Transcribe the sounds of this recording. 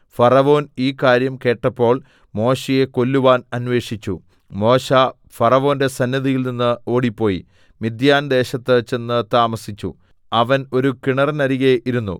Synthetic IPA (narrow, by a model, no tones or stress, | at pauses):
fɐrɐʋo̞ːniːkaːɾjɐmke̞ːʈːɐpːo̞ːɭ | mo̞ːɕije̞ko̞lːuʋaːnɐnʋe̞ːʂit͡ɕːu | mo̞ːɕa | fɐrɐʋo̞ːnde̞sɐnːɐðijilninːɨo̞ːɽipːo̞ːjḭ | mid̪jaːnd̪e̞ːɕɐt̪ːɨt͡ɕe̞nːɨt̪aːmɐsit͡ɕːṵ | ɐʋɐno̞ɾukiɳɐrɐnɐɾiɣeʔiɾunːṵ